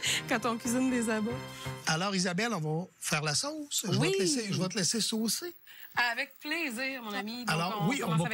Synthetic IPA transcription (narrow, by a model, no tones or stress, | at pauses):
kɑ̃t̪ɔ̃kɥizind̪ezaboalɔːʁizabɛlɔ̃vɔfɛːʁlasɔsʒəwat̪əlɛseʒəvat̪əlɛsesoːsiavɛk̚pleziːʁmɔ̃namialɔːʁwiɔ̃v